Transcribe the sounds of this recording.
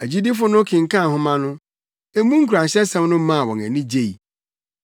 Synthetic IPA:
æ˨d͡ʑi˦di˦fʊ˦nʊ̃˦kʰɪ̃˨ŋ̩˨kʰã˦˨hʊ̃˦mã˦nʊ̃˦ | e˦mũ˦ŋ̩˦kʰu˨ɾã˨n˨ɕɛ˦sɛ̃˦mnʊ̃˦mã˦a˨wɔ̃˨næ̰˨nĩ˦d͡ʑe˦˨i˨

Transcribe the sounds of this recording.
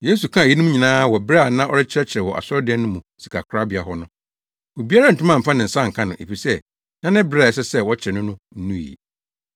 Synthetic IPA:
je˦s̬u˨kʰã˦˨ji˦nʊ̃˦ɲĩ˨nãː˦wɔ˨bɾɛ˦a˨nã˦ʔɔ˦ɾɪ˦t͡ɕʰɪ˦ɾɛ˦t͡ɕʰɪ˨ɾɛ˨wɔ˨ʔa̰˨sɔ˦dɪ˨˦ɛ˦nʊ̃˦mũ˨si̥˨kʰa̰˨kʰɾa˦bɪ˨a˨ɦɔ˦nʊ̃˦ | wo˨bi˦a˦ɾa˦n̩˨tʊ̃˦mã˦˨m̩˨fã˦nɪ̃˨n̩˨sã˦˨ŋ̩˨kʰã˦nʊ̃˨ʔḛ˨fi˨sɛ˦ | nã˦nɪ̃˦bɾa˦˨ɛ˨sɛ˦sɛ˦wɔ˦t͡ɕʰɪ˨ɾɛ˨nʊ̃˦nʊ̃˦n̩˦nũ˦˨jḭ˨

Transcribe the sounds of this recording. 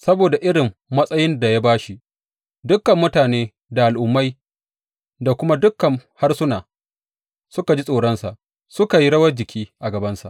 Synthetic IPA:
sɐ˦boː˨da˨ʔɪ˦ɽɪ˨mːɐ˦sʼɐ˦jɪ˦nda˨ja˦baː˦ʃi˦ | dʊ˦kːɐ˨mːʊ˦taː˨neː˦ | da˨ʔa˨lʔʊ˨mːa˦j | da˨kʷʊ˦ma˦dʊ˦kːɐ˨ŋha˦rsʊ˦naː˨ | sʊ˦ka˨d͡ʒi˦sʼoː˨ɽɐ˦nsa˨ʔ | sʊ˦ka˨ji˦ɽɐ˦wɐ˦rd͡ʒɪ˨kʲʰiː˦ʔa˨ɡɐ˨bɐ˦nsa̰˨ʔ

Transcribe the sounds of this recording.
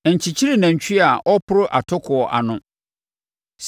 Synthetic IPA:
ɛ˨ɲ̩˨t͡ɕʰi˨t͡ɕʰi˦ɾi˨nã˨ɲ˨t͡ɕʰᶣi˦a˨ʔɔ˦pʰʊ˦ɾʊ˦ʔa˨tʰʊ˦kʰʊ˨ɔ˨ʔa̰˨nʊ̃˦ | s

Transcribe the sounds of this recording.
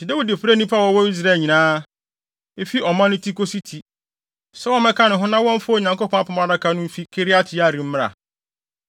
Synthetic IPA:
i˨da˦wi˨dfɾe˦nĩ˦pʰa˦˨wɔ˦wɔ˦i˦s̬ɾa˦˨ɲĩ˨nãː˦ | e˦fi˦ʔɔ˨mã˦nɪ̃˦tʰi˦kʰo˦si˦tʰi˨ | sɛ˦ɔ˦mɛ̃˦kʰa˦nʊ̃˨ɦʊ̃˦nã˦wɔ̃˦ɱ̩˦fʊ˦˨ɲã˨ŋko˦pʰɔ̃˦a˦pʰɔ̃˦ma˨da˦kʰa˦nʊ̃˦m̩˦fi˦kʰe˦ɾi˦a˦tʰɪ˨a˦˨ɾi˨m̩˦mɪ̃˦ɾa̰˨

